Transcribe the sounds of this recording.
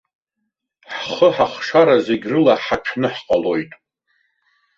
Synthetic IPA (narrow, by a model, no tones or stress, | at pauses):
ħχəħaχʂaɾazeɡʲrɨlaħat͡ʃʷʰnɨħqʼalo̞jtʼ